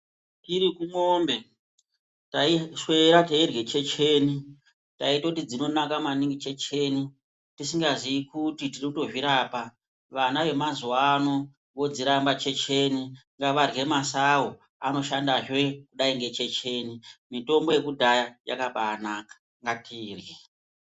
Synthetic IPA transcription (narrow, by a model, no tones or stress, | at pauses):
tiɾikumombe̞ | taiʃwe̞ɾatairwe̞t͡ʃe̞t͡ʃeni | taitakutid͡zino̞nakamaniŋɡit͡ʃe̞t͡ʃeni | tisiŋɡaziikutitirikuto̞ʐiɾapa | ʋanaʋe̞mazuwano̞ | ʋo̞d͡ziɾambat͡ʃe̞t͡ʃeniŋɡaʋarɣe̞masawo | ano̞ʃandaʐwe̞kuɗaiŋɡe̞t͡ʃe̞t͡ʃe̞ːnimito̞mbo̞je̞kudʱajaja̰kaɓaːnaːkḁ | ŋɡatʰiːrje